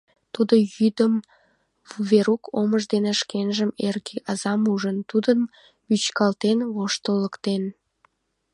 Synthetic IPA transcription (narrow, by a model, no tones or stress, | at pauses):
t̪ud̪ojyd̪əm | veɾukʰoməʒd̪eneʃkenʒəmerɡeʔɑzɑmuʒənt̪ud̪ən | yt͡ɕkɑlt̪enβoʃt̪ələkt̪en